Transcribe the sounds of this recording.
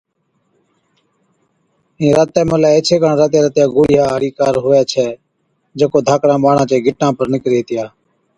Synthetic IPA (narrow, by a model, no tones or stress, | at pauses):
ĩːɾaːt̪ɛːməlɛːeːt͡ʃʰeːkaɳɾaːt̪eːɾət̪jaːɡʊːɽɪjaːɦəɾiːkaːɾɦʊːɛːt͡ʃʰɛː | d͡ʒeːkoːd̪ʱaːkɽãːɓaːɽ̤ãːt͡ʃeːɡʱɪʈnãːpəɾnɪkɾeːɦt̪ɪjaː